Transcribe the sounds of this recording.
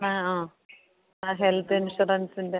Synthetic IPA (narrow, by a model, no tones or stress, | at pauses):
naaː | aːɦelt̪ʰːinʂuɾɐnsinde